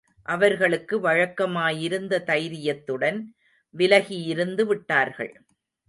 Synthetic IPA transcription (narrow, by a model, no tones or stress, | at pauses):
ʔɐʋɐɾɣɐɭɯkːɯʋɐɻɐkːɐmaːjɪɾɯnd̪ɐt̪ɐjɾɪjɐt̪ːɯɽɐn | ʋɪlɐɣijɪɾɯnd̪ɯʋɪʈːaːɾɣɐ̰ɭ